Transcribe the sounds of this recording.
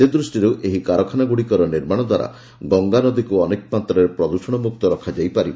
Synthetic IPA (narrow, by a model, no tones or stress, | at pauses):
sed̪ɾusʈiɾuʔeɦikaɾɔkʰanaɡuɽikɔɾɔniɾmaɽ̃ɔd̪waɾa̰ | ɡɔŋɡanɔd̪ikuɔnek̚pat̪ɾɔeɾepɾɔd̪uʃɔɽ̃ɔmuk̚t̪ɔɾɔkʰad͡ʒajpaɾi